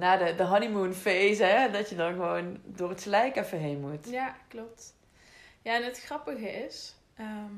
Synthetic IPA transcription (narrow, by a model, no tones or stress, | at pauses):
naːdədəɦɑnimunfejzɛdɑtjədɑnɣəʋowndoːrɦətxəlɛjkɛfəɦejnmutjaklɔp̚t | jaɛnɦətxrɑpəɣəɪs | əm